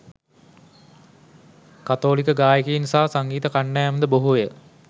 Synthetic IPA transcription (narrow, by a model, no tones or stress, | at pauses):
kat̪oːlikəɡaːjəkəjinsaːsaŋɡiːt̪əkaɳɖɛːmənd̪əboɦujə